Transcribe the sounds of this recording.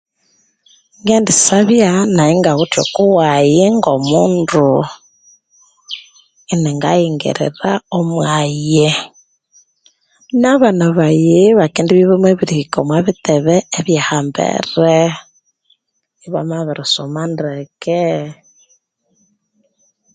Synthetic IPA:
ŋɡendisaβjanaiŋɡaɣutjo̰kuwajiŋɡomuːndu | iniŋɡajiŋɡḭɾḭɾaomwaje | naβanaβajeβakindiβiβemweβiɾihikomwaβitɛβɛeβjahambɛ̰ɾe | iβa̰maβiɾɔsomandekɛ

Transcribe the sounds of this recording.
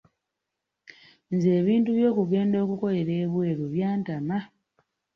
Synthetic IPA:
nze̞ːβiːntuβjo̞ːkuɡe̞ːndo̞ːkuko̞le̞ɾeːβwe̞ːɾuβjaːntama

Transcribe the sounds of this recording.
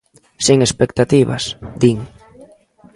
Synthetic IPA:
siŋespek̚t̪at̪iβa̰sd̪iŋ

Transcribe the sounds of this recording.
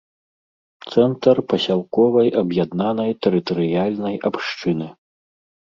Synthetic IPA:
t̪sɛnt̪ɐrpɐsʲalˠkɔvɐjʔɐbjad̪nanɐjt̪ɛɾɨt̪ɐɾɨjalʲnɐjapʂt͡ʂɨnɨ

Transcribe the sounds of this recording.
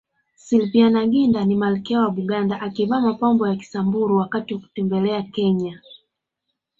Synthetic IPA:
silvianaɡindanimalikɛawaɓuɡandaʔakivamapambɔjaki̥sambuɾuwakatiwaku̥tɛmbɛlɛakɛɲa

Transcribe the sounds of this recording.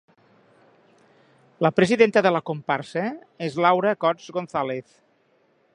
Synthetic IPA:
ləpɾəziðent̪əðələkompaɾsə | ezlawɾəkɔd͡zɣonθaleθ

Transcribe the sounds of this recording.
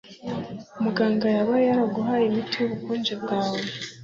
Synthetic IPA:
omuɡaːŋɡajaβaejaɾaɡuɦaimitijuβukuːnd͡ʒebɡaːwe

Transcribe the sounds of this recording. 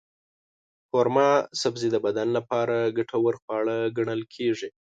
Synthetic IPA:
poɾmɑsabzid̪əbad̪anlapɑɾaɡaʈʰawəɾxwɑɭaɡaɳəlkʰeʐi

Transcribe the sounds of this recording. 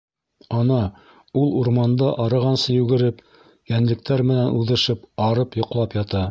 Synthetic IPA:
ɑnɑ | ulˠuɾmɑnd̪ɑʔɑɾɤ̆ʁɑnsɤjʉɡɘ̆ɾɘp | jænlɘ̆k̚t̪ʰæɾmɘ̆nænʔuðɤ̆ʃɤpɑɾɤpjŏqlˠɑpjɑt̪ɑ

